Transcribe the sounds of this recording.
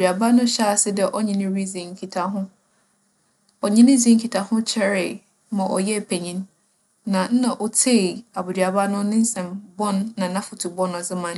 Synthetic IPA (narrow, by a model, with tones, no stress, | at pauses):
a˨bʊ˨dɥa˨ba˦nʊ̃˦ɕa˦˨sɪ˦dɛ˦ʔɔ˦ɲĩ˨nɪ̃˦ɾi˦zĩ˨ŋ̩˨kʰi˨tʰa˨ɦʊ̃˦ | ɔ˨ɲĩ˦nɪ̃˦d͡zĩ˨˦ŋ̩˦kʰi˨tʰa˨hʊ̃˦t͡ɕʰɛ˦ɾɪ˨ | mã˨ʔɔ̰˨jɛ˦˨pʰe˨ɲĩ˦nː | ã˨n̩˦nã˨ʔɔ˨tʰe˦˨a˨bu˨dɥa˨ba˦nʊ̃˦nɪ̃˦n̩˦sɛ̃˨mbɔ̃˦nːã˨nã˦fʊ˨tʰu˨bɔ̃˦nɔ˨zɪ˦mã˨n